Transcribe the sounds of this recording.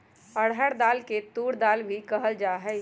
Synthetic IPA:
əɽɦəɽd̪aːlket̪uːɽd̪aːlbʱikɐɦəld͡ʒaːɦɛː

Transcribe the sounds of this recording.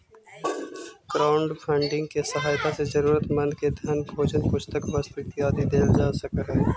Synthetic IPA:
kɾaːʊɳɖpʰə̃ɳɖɪ̃ŋɡ̚kesɐɦaːjt̪asezɐɾuːɾət̪mɐ̃nd̪ked̪ʱjɐnɡʱoːd͡ʒənkʊt͡ʃʰt̪əkbəst̪ɪt̪iaːd̪id̪eːld͡ʒaːsəkɦɛː

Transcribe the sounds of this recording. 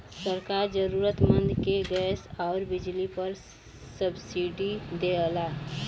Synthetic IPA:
səɾkaːɾd͡ʒəɾuːɾət̪mə̃nd̪ʱkeɡɛːsɔːɾbɪd͡ʒlipəɾ | səbsiɖid̪eəlaː

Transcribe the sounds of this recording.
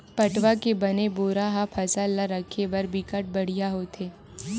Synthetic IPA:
pɐʈʋakebɐneboːɾaɦapʰɐsalaɾɐkʰːebɐɾbɪkəʈ̚bɐɽ̤ijaɦoːt̪ʰeː

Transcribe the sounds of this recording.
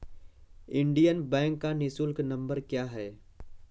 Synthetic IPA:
ɪ̃ɳɖijənbɛ̃ːŋkːanɪsulknɐ̃mbəɾkjaːɦɛː

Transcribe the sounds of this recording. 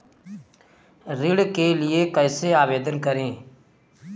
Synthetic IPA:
ɾɪɽkeːlɪeːkəɪseːaːʋeːd̪ənkəɾẽː

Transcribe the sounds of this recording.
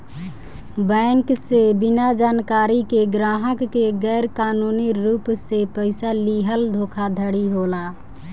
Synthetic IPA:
bɛŋksebinad͡ʒaːnkaːɾikeɡɾaːɦəkːeɡɛːɾkaːnuniɾuːpsepəɪsaliɦəld̪ʱoːkʰad̪ʱəɽiɦola

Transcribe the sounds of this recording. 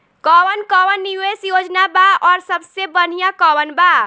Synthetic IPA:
kɔwənkɔwənːiwesjod͡ʒnabaɔːɾsəbsebənijakɔwənba

